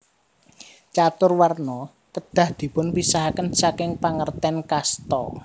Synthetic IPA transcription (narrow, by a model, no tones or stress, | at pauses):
t͡ʃat̪ʊrwarnɔ | kəd̪̥ä̤hd̪̥i̤pʊnpisaɦakənsakɪŋpaŋərt̪ɛnkast̪ɔ̰